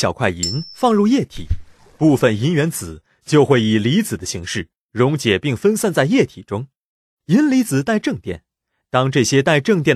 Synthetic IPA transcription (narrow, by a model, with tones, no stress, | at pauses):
jɑ˨˩kʰwa˥˩ɪi˧˥nfɑ˥˧ŋɻu˥˧jɛ˥˩t̪ʰḭ˨˩˦ | pu˥˩fə˨˩ni˧˥nɥɛ˧˥nt͡sɹ̩˨˩˦ | t͡ɕjo˥˧ʊxwe˥˩ɪi˨˩li˧˥t͡sɹ̩˨˩d̪ə˦ɕi˧˥ŋʂɻ̩˥˩ | ɻʊ˧˥ŋt͡ɕjɛ˨˩pi˥˩ŋfə˥nsa˥˧nt͡sa˥˧ɪjɛ˥˩t̪ʰi˨˩ʈ͡ʂʊ˥ŋ | i˧˥nli˧˥t͡sɹ̩˨˩t̪a˥˧ɪʈ͡ʂɤ˥˧ŋt̪jɛ̰˥˩n | t̪ɑ˥ŋʈ͡ʂɤ˥˩ɕjɛ˥t̪a˥˧ɪʈ͡ʂɤ˥˧ŋt̪̬jɛ˥˩n